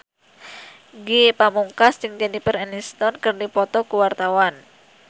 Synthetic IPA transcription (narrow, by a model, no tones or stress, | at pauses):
ɡipamuŋkasd͡ʒɨŋd͡ʒɛnipərɛnist̪ɔnkɨrdipɔt̪ɔkuwart̪awan